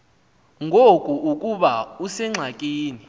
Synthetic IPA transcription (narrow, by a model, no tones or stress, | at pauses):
ŋʱokʼuʔukʼuɓausɛŋ͡ǁʱakʼiːni